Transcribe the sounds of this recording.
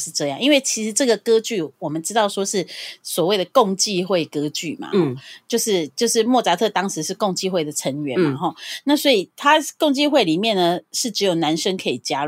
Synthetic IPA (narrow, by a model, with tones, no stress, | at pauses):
ʂɻ̩˥˧ʈ͡ʂɤ˥˧jɑ˥˨ŋi˦˥nwe˥˩ɪt͡ɕʰi˧˥ʂɻ̩˧˥ʈ͡ʂɤ˥˩ɡə˩kɤ˥t͡ɕy˥˩wɔ˨˩mə˨nʈ͡ʂɻ̩˥t̪ɑ˥˩ʊʂwɔ˥ʂɻ̩˥˩swɔ˨˩we˥˩ɪd̪ə˩ko˥˧ŋt͡ɕi˥˧xwe˥˩ɪkɤ˥t͡ɕy˥˩ma̰˩ɔ˥˨t͡ɕjo˥˧ʊʂɻ̩˥˧t͡ɕjo˥˧ʊʂɻ̩˥˧mwɔ˥˨˩t͡sa˥t̪ʰɤ˥˧t̪ɑ˥ŋʂɻ̩˧˦ʂɻ̩˥˧ko˥˧ŋt͡ɕi˥˧xwe˥˩ɪd̪ə˩ʈ͡ʂʰə˧˦ŋɥɛ˨˦nmma˧xɔ˥˩na˥˩swɔ˧˥i˨˩t̪ʰa˥ko˥˧ŋt͡ɕi˥˧xwe˥˩ɪli˨˩mjɛ˥˩nnə˩ʂɻ̩˥˩ʈ͡ʂɻ̩˧˥jo˨˩ʊna˧˦nʂə˥ŋkʰɤ˧˥i˨˩t͡ɕja˦˥